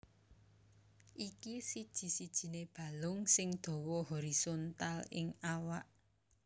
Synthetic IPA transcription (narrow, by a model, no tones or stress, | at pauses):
ʔikisid̥ʒ̥i̤sid̥ʒ̥i̤neb̥a̤lʊŋsɪŋd̪̥ɔ̤wɔɦɔɾisɔnt̪alɪ̰ŋawaʔ